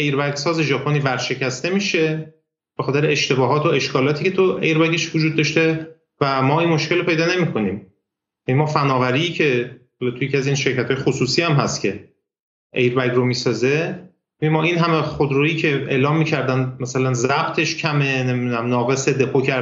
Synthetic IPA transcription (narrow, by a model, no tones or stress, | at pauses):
ejɾbæɡsɒːze̞ʒɒːpʰo̞niːvæɾʃecʰæst̪e̞miːʃe̞ | b̥exɒːt̪e̞ɾeeʃt̪e̞bɒːɦɒːt̪ʰoe̞ʃkʰɒːlɒːt̪ʰiːcʰet̪ʰoejɾbæɟeʃvod͡ʒuːd̪̚ːɒʃt̪e̞ | væmɒːinmoʃke̞lepe̞jd̪ɒːne̞miːkʰo̞niːm | jænimɒːfænɒːvæɾiiːcʰe̞hɒːlɒt̪ujecʰiæziːnʃe̞ɾcæt̪hɒːjexosuːsiːæmɦæst̪cʰe̞ | ejɾbæɡɾomiːsɒːze̞ | emːɒːʔinɦæmeχod̪ɾoːjiːcʰe̞ḛːlɒːmːiːcʰæɾd̪ænmæsælænzæb̥t̪ʰe̞ʃcʰæme̞ne̞midunæmnɒːɣe̞sed̪e̞pʰocʰæ